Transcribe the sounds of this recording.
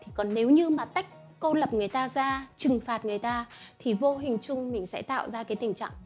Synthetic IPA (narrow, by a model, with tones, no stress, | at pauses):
t̪ʰi˨˩kɔ˨˩nne˨˦wɲɨ˧maː˨˩t̪a˦˥jk̟̚ | ko˧lə˨˩p̚ŋɨ˨˩əjt̪aː˧zaː˧t͡ɕɨ˨˩ŋfaː˨˩t̚ŋɨ˨˩əjt̪aː˧t̪ʰi˨˩vo˧ɦï˨˩ŋ̟t͡ɕʊ˧ŋ͡mmï˨˩ŋ̟sɛ̰˧˥t̪a̰ː˧˨wzaː˧kaː˨˦jt̪ï˧˩ŋ̟t͡ɕa̰ː˧˨ʔ